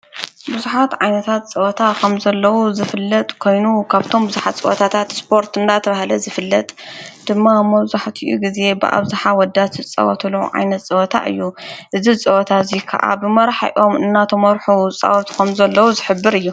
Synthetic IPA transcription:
bɨzuħat̪ʕajnɐt̪ʰat̪t͡sʼɐʔɐt̪ʰakʰɐmzɐlːɐwuzɨfɨlːɐt̪ʼkʰo̞jnukʰaβt̪ʰo̞mbɨzuħat̪t͡sʼɐ̰ʔɐ̰t̪ʰat̪ʰat̪spʰo̞ɾt̪ɨnd̪at̪ʰɐβahlɐzɨfɨlːɐt̪ʼd̪̥ɨmːamɐβzaħt̪ʰiʔṵɡize̞bɨ̰ʔa̰βzaħawɔd̪at̪ɨt͡sʼɐ̰wɐ̰t̪ʰluʕa̰jnɐt̪t͡sʼɐwɔt̪ʰa̰ʔɨ̰jːuʔɨzit͡sʼɐʔɔt̪ʰazikʰɐ̰ʔa̰bɨmɐɾaħa̰ʔo̞mɨnːat̪ʰɐmɐɾħut͡sʼɐ̰wɔt̪ʰkʰɐmzɐlːɐwuzɨħɨbːɨɾɨjːu

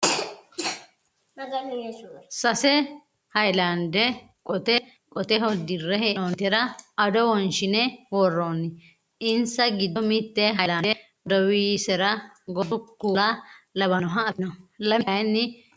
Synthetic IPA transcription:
sɐsɛ | hɐjlɐnd̪ɛ | kʼɔt̪ɛ | kʼɔt̪ɛɦɔd̪ɪrːɛheɔnt̪ɛɾɐɐd̪ɔwɔnʃɪnɛwɔrːoːnːɪ | ɪnsɐɡɪd̪ɔmɪt̪ːɛɦɐjlaɛ | d̪ɔwiːsɛɾɐ | ɡɔdʊkːulɐlɐβɐnɔɦɐɐt̪ɪnɔlɐmjnːɪ

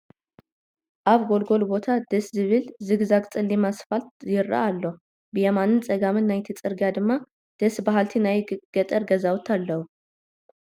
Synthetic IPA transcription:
ʔaβɡo̞lɡo̞lbo̞t̪ʰad̪̥əszɨβɨlzɨɡzakʼt͡sʼɨlːimasfalt̪jɪɾːa̰ʔalːə | bɨjɛmanɨnt͡sʼəɡamɨnːajt̪ʰɨt͡sʼɨɾɡjad̪ɨmːa | d̪̥əsbaɦalt̪ʰinajɡ̥ət̪ʼəɾɡəzawt̪ʰalːəhu

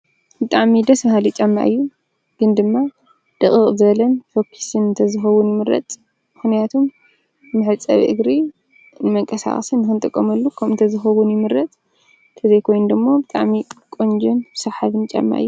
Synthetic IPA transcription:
bɨt̪ʼaʕmid̪ɐsmhalit͡ʃʼɐmːa̰ʔɨjːu | ɡ̥ɨnd̪ɨmːa | d̪̥ɨχʼɨχʼzɨβɐlɐnfokʰi̥sɨnɨnt̪ʰɐzɨxɐwunjɪmɨɾɐ̰t̪ʼ | mɨxnijat̪ʰumː | ɨħɨt͡sʼɐ̰βḭʔɨ̰ɡɾi | nɨmɐŋkʼɐsa̰χʼɐsɨnːɨxɨnt̪ʼɨkʼːɐ̰mɐlːukʰɐmɨnt̪ʰɐzɨxɐwunjɪmɨɾɐt̪ʼ | t̪ʰɨzɐjkʰo̞jnud̪ɨmːo̞bɨt̪ʼa̰ʕmikʼond͡ʒɛnsɐβħaβɨnt͡ʃʼɐ̰mːa̰ʔɨ̰jːu

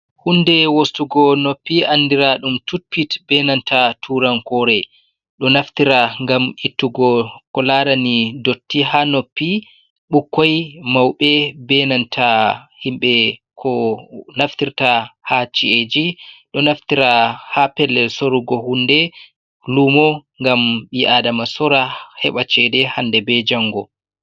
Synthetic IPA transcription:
hunːdɛwostuɡɔnopːiandiɾaɗumtupːitbɛnantʰatʰuɾankɔɾɛ | ɗɔnaft̪iɾaŋɡamitːuɡɔkɔlaɾanidotːiɦanopːi | ɓukːɔjmawɓɛbɛnantʰahimɓɛkʰɔnaft̪iɾtahat͡ʃied͡ʒiɗɔnaftiɾahapɛlːɛlsoɾuɡɔhundɛ | lumɔŋɡamɓiʔadamasɔɾahɛ̰ɓat͡ʃɛdɛhandɛbɛd͡ʒaŋɡɔ

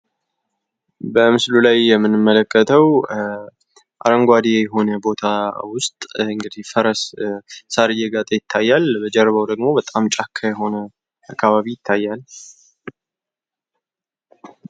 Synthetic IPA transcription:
bəmɨslulajːɛmːɨnɨmːələkʰʼːət̪ʰəw | ʔaɾəŋɡʷad̪ejɛɦo̞nəbo̞t̪ʰawʊst̪ʼɨŋɡɨd̪ihfəɾəssaɾɨjɛɡat̪ʼəjɪt̪ʰːajːalbəd͡ʒɛɾβəwd̪əɡmo̞bət̪ʼamt͡ʃʼakʰːajɛɦo̞nə | ʔakʰːaβaβijɪt̪ʰːajːal

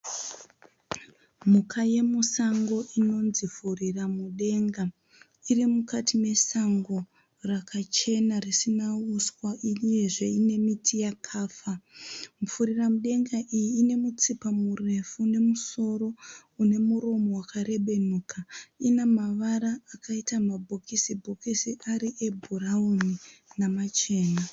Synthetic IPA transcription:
mukʰaje̞musaŋɡo̞ʔino̞nzifuriramuɗe̞ŋɡa | irimukatʰime̞saŋɡo̞ | rakʰat͡ʃe̞narisinauswaʔije̞ʐe̞ine̞mitʰijakʰaːfamufuɾiramuɗe̞ŋɡaʔijiːne̞mut͡sipamure̞fune̞muso̞ɾo̞une̞muɾo̞mo̞wakare̞ɓe̞nuːkʰainamaʋaɾaːkaitamabʱo̞kisibʱo̞kisiʔaɾiʔe̞bʱurauninamat͡ʃe̞ːna

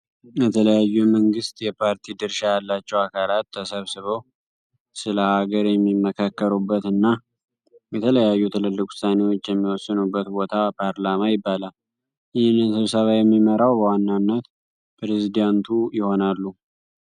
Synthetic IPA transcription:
jɛt̪ʰələjajːuməŋɡɨst̪jɛpʰaɾt̪ʰid̪ɨɾʃajalːat͡ʃːɛwakʰalat̪ːʰəsəβsɨβow | sɨləhaɡəɾjɛmːimːəkʰakːəɾubːət̪ɨnːa | bɛt̪ʰələjajːut̪ʰɨlɨlːɨkʼʊ̥sane̞wot͡ʃːjɛmːiwɔsːɨnubːət̪bo̞t̪ʰapʰaɾlamajɪbːalal | jɪhnːɨnsɨβsəβajɛmːiməɾawbəwanːanːət̪ | pʰɾezid̪ant̪ʰujɪho̞nalːu

